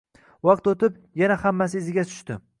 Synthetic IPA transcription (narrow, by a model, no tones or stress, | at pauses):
wɑqt̪ot̪ɪp | janahamːas̬ɪːzɪɡʲat̪ʰʊ̥ʃt̪ɪ